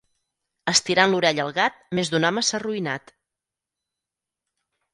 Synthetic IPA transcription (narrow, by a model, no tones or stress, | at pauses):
əst̪iɾanluɾɛʎəlˠɣat̪̚mezðunɔməsaruina̰t̪